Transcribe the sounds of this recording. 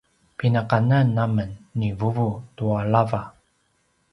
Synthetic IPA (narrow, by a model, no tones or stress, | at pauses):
pinaqanənːamənːivuvutuaɭava